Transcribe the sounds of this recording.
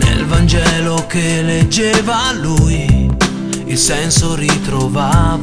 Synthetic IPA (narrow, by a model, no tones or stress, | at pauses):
nḛlvand͡ʒɛːlokelːed͡ʒːɛːvaluj | ilsɛnsorit̪ɾovav